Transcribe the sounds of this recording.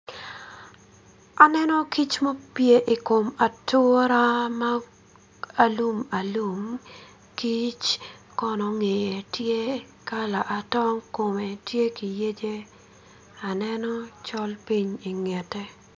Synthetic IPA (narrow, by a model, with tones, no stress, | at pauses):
a˨nɛ˦nɔ˦ki˦t͡ʃmo˦pje˦ʔi˨ko˨ma˨tʊ˦ɾa˦ma˦ | a˦lu˦ma˨lu˦˨m | ki˦t͡ʃ | kɔ˨nɔ˨ŋe˨je˨tje˦ | ka˦la˨ʔa˨tɔ˦ŋko˨me˨tje˦ki˨je˦d͡ʒe˦ | a˨nɛ˦nɔ˦t͡ʃɔ˦lpi˦ɲi˨ŋɛ˨tɛ˦